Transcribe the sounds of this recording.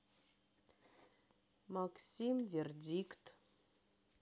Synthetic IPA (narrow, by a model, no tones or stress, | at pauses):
maksimverdʲikt̪